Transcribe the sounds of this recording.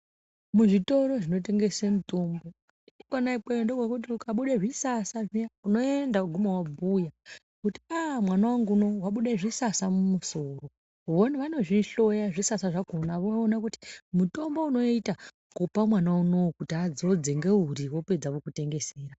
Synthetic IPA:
muʐito̞ɾo̞ʐino̞t̬e̞ŋɡe̞semuto̞mbo̞ | iikwanaikeondoɡʱokut̬iukaɓuɗeʐisasaʐiuno̞endauɡʱumawabʱuja | kuti̥amwanawaŋɡuno̞waɓuɗeʐisasamumuso̞ro̞ | uoniʋano̞ʐiɬo̞jaʐisasaʐakonaʋoːnakuti̥muto̞mbo̞uno̞ita | kupamwanauno̞kutiad͡zo̞d͡zeŋɡe̞uriwo̞pe̞d͡zakokute̞ŋɡe̞seːra

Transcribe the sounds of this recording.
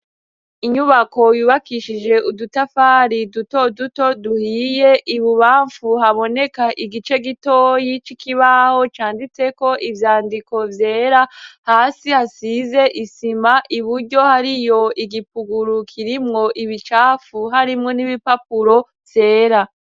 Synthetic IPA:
iɲuβako̞juβakiʃid͡ʒe̞ʔudutafaɾiduto̞duto̞duhije̞ʔiβuβaːɱfuhaβo̞ne̞kaʔiɡit͡ʃe̞ɡitojit͡ʃikʰiβaho̞t͡ʃaːndit͡se̞ko̞ʔivjaːndiko̞vje̞ːɾahaːsihasize̞ʔisimaʔiβuɾɟo̞haɾijo̞ʔiɡipuɡuɾukʰiɾimŋo̞ʔiβit͡ʃaːfuɦaɾimŋo̞niβipap̚uɾo̞ | vje̞ːɾa

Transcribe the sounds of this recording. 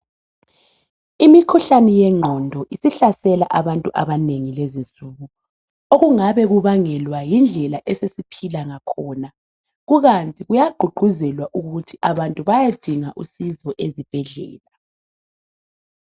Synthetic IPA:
imikʰuɬanɛjɛŋ͡ǃʱɔndʱɔʔisiɬasɛlaʔaβantʼuʔaβaneŋilezint͡sʼuːɣu | oɣuŋaβɛɣuβaŋɛlwajind͡ɮʱɛlaʔɛsesipʰilaŋakʰɔːna | ɣuɣantʼiɣujaɡ͡ǃʱuɡ͡ǃʱuzɛlwaʔuɣutʰiʔaβantʼuβajad̥ʱiŋaʔusizɔʔezib̥ʱɛɮɛ̰ːla

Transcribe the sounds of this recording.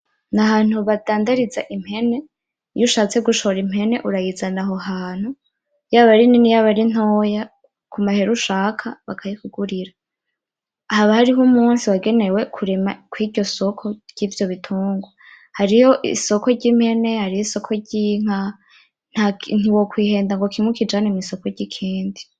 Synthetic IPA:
nahaːn̥huβadaːndaɾiza̰ʔim̥he̞ne̞ | juʃaːt͡se̞ɡuʃo̞ɾim̥e̞ne̞ʔuɾajid͡zanaɦoɦaːn̥hu | jaːβaɾininijaːβaɾin̥oːja | kumaheɾuʃaːkʰaβakʰajifuɡuɾiɾa | haβahaɾiɦumuːnsiwaɡe̞ne̞we̞kʰuɾemakwiːɟo̞so̞kʰo̞ɾɟ̥iːvjo̞βitʰuːŋɡwa | haɾijo̞ʔḭso̞ko̞ɾɟim̥he̞ne̞haɾihiso̞kʰo̞ɟiŋ̥a | n̥hakn̥uwokwiːhe̞ːndaŋɡo̞kimwukid͡ʒanemiːso̞koɾɟikʰiːndi

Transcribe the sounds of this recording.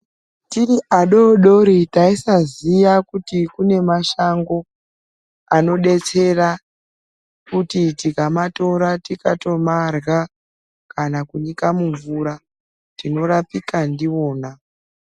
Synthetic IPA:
tiriʔaɗo̞ɗo̞ɾitaisazijakutikune̞maʃaŋɡo̞ | ano̞ɗe̞t͡se̞ra | kutitikamato̞ɾatikato̞marɣa | kanakuɲikamuɱvuɾa | tino̞rapikandio̞ːna

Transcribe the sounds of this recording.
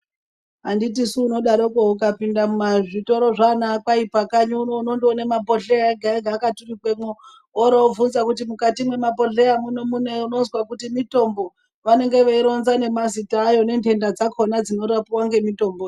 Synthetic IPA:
ɦanditisuːno̞ɗaɾokoukapindamumaʐito̞ɾo̞ʐanaːkaipakaɲuunonondonemabʱo̞ɬeaeɡʱaeɡʱaːkaturikwe̞mo | oɾoovunzakutimukatimwe̞mabʱo̞ɬeamuno̞muneuno̞nzwakutimito̞mbo̞ | ʋane̞ŋɡe̞ʋeiɾo̞nzane̞mazitaːjo̞ne̞nte̞ndad͡zakʰo̞nad͡zino̞ɾapiwaŋɡe̞mito̞mboj

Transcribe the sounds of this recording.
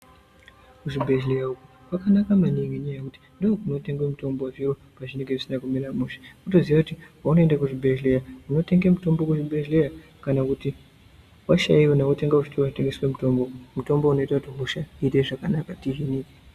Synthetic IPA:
kuʐibʱe̞ʒlejauku | kwakanakamaniŋɡiɲajekuti̥ndookuno̞te̞ŋɡwemuto̞mboviro | paʐine̞ŋɡe̞ʐisinakumilamuʃe̥kuto̞ziʋakutiwauno̞endakuʐibʱe̞ʒlejamuno̞te̞ŋɡemuto̞mbo̞kuʐibʱe̞ʒleja | kanakuti | waʃa̰iwonawote̞ŋɡaut͡ʃitowaʐite̞ŋɡeswe̞muto̞mbomuto̞mbouno̞itakutiɦuʃaiteʐakanakatiɦini

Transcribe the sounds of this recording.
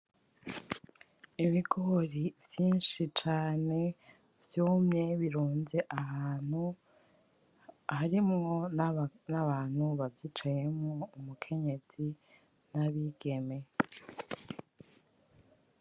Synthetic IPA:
iβiɡoɾivjiːnʃit͡ʃaːne̞ | vjoːmɲe̞βiɾuːnze̞ʔaɦaːnhu | haɾimŋo̞naβaːn̥huβavjit͡ʃaje̞mŋoumukʰe̞ɲe̞z̥i | naβiɡe̞me̞

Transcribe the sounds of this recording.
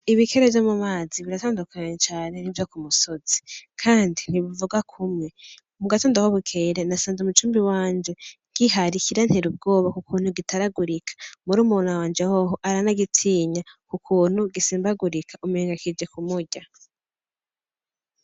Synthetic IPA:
iβikʰeɾevjomumaːziβiɾataːndukʰaɲet͡ʃaːne̞nivjo̞kumuso̞z̥i̥kʰaːndin̥iβuvuɡwakʰumŋe̞ | muɡatoːndahoβukʰeɾenasaːnzumut͡ʃuːmbiwaːnd͡ʒe̞ | ɡ̥iɦaɾikiɾanheɾub̚ɡo̞ːβakukuːn̥huɡitaɾaɡuɾikʰḁmuɾuːmunawaːnd͡ʒehoɦoʔaɾanaɡitʰiːɲakukʰuːn̥huɡisiːmbaɡuɾikʰaʔumuɾiːŋɡakid͡ʒe̞kumuɟa

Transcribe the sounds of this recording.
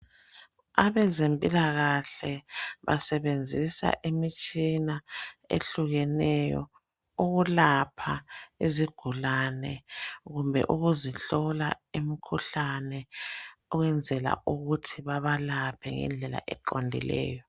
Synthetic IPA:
aβɛzempʼilaɣaɬɛβa̰sɛβend͡zʱisa̰ʔimit͡ʃʼinaḛɬuɣɛnɛjɔ̰ | uɣulapʰaiziɡ̥ʱulanɛɣumbʱɛ̰ʔuɣuziɬɔlaimikʰuɬanɛɔɣwɛnd͡zʱɛla̰uɣutʰiβaβalapʰɛŋɛ̰nd͡ɮʱɛla̰ʔɛǃondʱḭlɛ̰ːjɔ

